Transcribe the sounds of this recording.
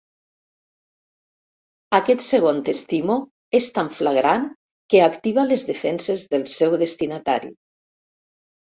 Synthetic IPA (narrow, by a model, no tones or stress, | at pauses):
akɛt̪seɣ̞ont̪est̪imo | est̪aɱflaɣɾan | keakt̪iβ̞alezðefɛnsezðəlˠsɛwðest̪inat̪a̰ɾḭ